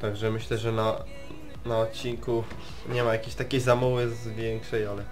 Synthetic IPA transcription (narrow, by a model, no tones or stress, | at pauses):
t̪aɡʐɛmɘɕlɛʐɛna | naɔt̪̚t͡ɕːiŋku | ɲɛmajakʲeɕt̪akʲejzamuwɘzvʲjɛŋkʂɛjalɛ